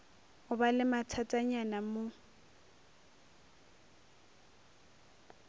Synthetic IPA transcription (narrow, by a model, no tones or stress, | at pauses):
ʊbalɪmatʰatʼaɲanamʊ